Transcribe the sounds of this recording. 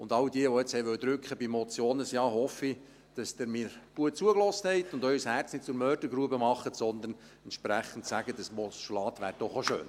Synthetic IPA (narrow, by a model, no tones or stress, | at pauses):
ʊndɑld̥iəʋɔɛt͡shɛɪʋœwd̥̪ɾʉkχəbimɔt͡sjoːnəsjɑːhɔfi | d̥ɑsd̥əɾmiːɾɡ̥uət̚t͡suəklɔsthɛɪt̪ʊndœʏshært͡snɪt̚t͡sʊɾmœːrd̥əɾɡɾuəbəmɑχːətsɔnd̪ən | ɛntʃpɾæχən̩tsæɡ̥ədəsmɔsʃlɑːt̪ʋæːɾd̥ɔχoʃø̰ːn